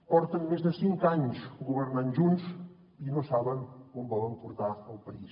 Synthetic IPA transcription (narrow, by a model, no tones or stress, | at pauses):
pɔɾt̪ənmezðəsiŋkaɲsuɣuβəɾnanʒuns | inosaβəŋkɔmbɔlˠəmpuɾt̪aəlˠpəis